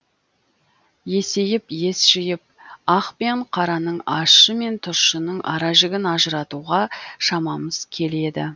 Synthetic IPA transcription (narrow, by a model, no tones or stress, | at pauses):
je̞se̞jɪpje̞sʒ̥ɪjɪp̚ɑqpeɴqʰɑɾɑnəɴɑʃəme̞nt̪ʰʊʃənəɴʔɑ̰ɾɑʒɪɡʲɪnɑʒəɾɑt̪uʁɑʃɑmɑməz̥kʲʰe̞le̞d̪ɪ̰